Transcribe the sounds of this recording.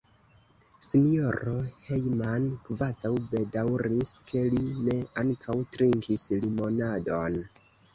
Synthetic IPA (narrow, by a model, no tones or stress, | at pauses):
sinio̞ɾo̞he̞jmankvazawbe̞dawɾiskʰe̞line̞aŋkʰawtɾiŋkʰislimo̞nadon